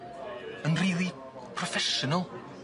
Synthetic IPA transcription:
ənriːlˠi | pʰrɔfɛʃʊnalˠ

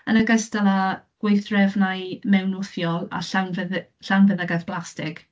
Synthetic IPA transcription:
ənəɡəstalˠaɡ̥wejθrɛvnaɨmɛwnʊθjɔlˠa̰ɬawnvəðɬawnvəðəɡaθb̥lˠastɪk

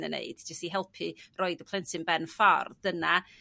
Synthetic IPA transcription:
nənḛɨd̥d͡ʒəstiɦɛlˠpʰɨroɨdəpʰl̥ˠɛntɪnbɛnfɔ̰rd̥əna

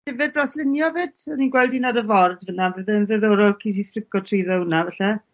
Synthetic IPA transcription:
d̥ɪvɨd̚braslˠɪnjɔvɨːd̥ɔninɡwɛlˠdinadəvɔrdvənavəðɛnðɛðoːɾɔlˠkʰis̬iθrɪɡɔtʰriðəwnavɛɬɛ

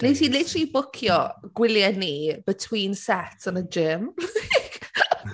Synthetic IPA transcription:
nitiːlɪtribʊkʰjɔɡ̥wɪljɛnib̥ətʰw̥iːnsɛtʰənəd͡ʒɪm

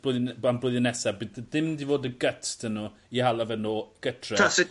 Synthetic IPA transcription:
b̥lʊanblˠʊjðənɛsabɪdðɪmdivoːdəɡətʰd̥ənu | ihalˠavɛnoːɡ̥ətʰrɛas

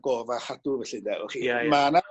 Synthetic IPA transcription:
ɡɔːvaχaduvɛɬɪdaɔ̰χimana

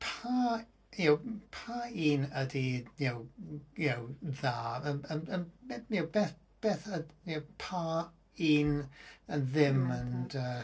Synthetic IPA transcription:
pʰa | jɛwpʰaiːnədijɛwjɛwðaːəənəjɛwbɛːθ | b̥ɛːθəowpʰa | iːnənðɪməndəː

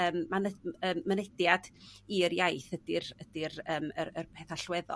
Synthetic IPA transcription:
əːmːanəəːmːənɛdjad̥iəɾjajθədɪrəd̥ɪɾəːmə̰rərpʰɛθaɬwɛðɔ̰

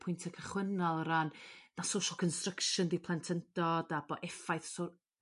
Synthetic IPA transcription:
pʰʊjntʰəkʰəχwənalˠəɾannasowʃɔlˠkʰɔnstrəkʃʊndipʰlˠantʰəntɔdabɔʔɛfajθso

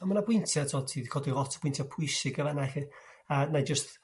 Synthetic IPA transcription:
amanabwɪntʰjatʰɔtʰiːðɡʰɔdirɔtʰə̥b̥wɪntʰjapʰʊjsɪɡəvanaxɪ | anad͡ʒəst

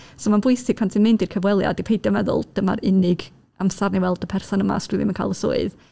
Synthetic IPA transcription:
somanbʊɨsɪɡ̚pʰantʰinmɪndirkʰəvwɛlˠja̰dipʰejdəmɛðʊ̰lˠd̥əma̰ɾɪnɪɡ | amsarniwɛlˠdəpʰɛrsɔnəma̰struːðḭmənkʰa̰ːlˠəso̰ɨð

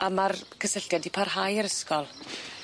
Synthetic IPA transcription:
amarkʰəsəɬjadipʰarɦajəɾəskɔlˠ

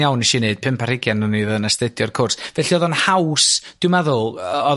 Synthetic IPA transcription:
jawniʃineɨd̥̚pʰɪmpʰar̥ɪɡjanəneðənəstɛdjɔrkʰʊrsvɛɬiɔðɔnhawsd̥ɪmaðʊlˠɔð

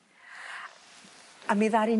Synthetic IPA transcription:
amiðaɾi

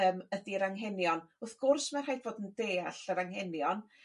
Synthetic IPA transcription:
əːmədiɾaŋɦɛnjɔnʊθɡ̥ʊrsmarhajvoːdəndeːaɬəɾaŋhɛnjɔn

